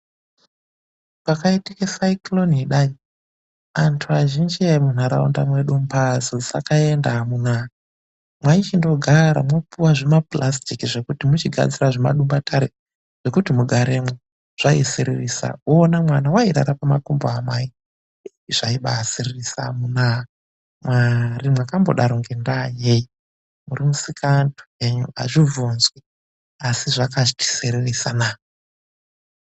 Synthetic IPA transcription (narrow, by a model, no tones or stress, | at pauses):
pakaitikesaiklo̞niɗai | antʰuaʒind͡ʒiamun̤aɾaṵnda̰mwe̞ɗumbad͡zod͡za̰kaendaamuna | mwait͡ʃindo̞ɡʱaɾa̰mopuwaʐemaplʔastikiʐe̞kutimut͡ʃiɡʱa̰d͡ziraʐema̰ɗumbatʰaɾe | ʐ̥e̞kutimuɡʱaɾemwe | ʐ̥aiseɾerisa̰oːnamwanawaiɾa̰ɾapamakumboamai | ʐ̥aiɓasiririsa̰munaɦa | mwarimwakamboɗaɾoŋɡendajeji | murimusikantu̥eɲṵa̰ʐivʱunzwe | asiʐakaʐiti̥seɾerisanaː